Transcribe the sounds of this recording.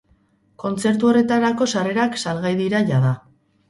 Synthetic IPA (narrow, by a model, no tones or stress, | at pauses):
ko̞nt͡se̞ɾt̪̬uo̞re̞t̪aɾako̞sare̞ɾaksalɣajðiɾaʝaða